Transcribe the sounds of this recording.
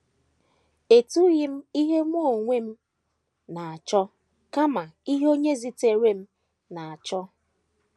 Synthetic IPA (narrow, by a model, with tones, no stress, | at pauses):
e˨tu˦ɣɪ˦m̩˦i˦ɦe˦m˦o˦˨ŋʷe˦m̩˦ | na˨a˨t͡ʃɔ˦ | ka˦ma˨i˦ɦo˦ɲe˦zi˨te˨ɾe˦m̩˦ | na˨a˨t͡ʃɔ˦